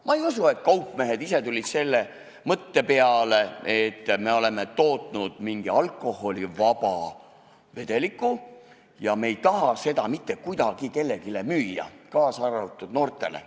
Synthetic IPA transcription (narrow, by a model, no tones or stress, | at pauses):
mʔɑejusue̞t̪̚kɑupːˑme̞ɦe̞d̪ise̞t̪ulʲid̪̥se̞lːe̞ | mɤt̪ːe̞peɑle̞et̪ːme̞o̞le̞me̞t̪o̞ːt̪ˑnud̪̥miŋɡ̥iɑlkˑːo̞ho̞lʲivɑbɑ | ve̞d̪̥e̞likːˑu | jɑmejt̪ɑɦɑse̞d̪ɑmit̪ːekujd̪̥ɑɡ̥ike̞lːe̞ɡile̞myːjɑ̰kɑːsɑrɑt̪ːˑud̪̥no̞ːrt̪ːˑe̞̰lḛ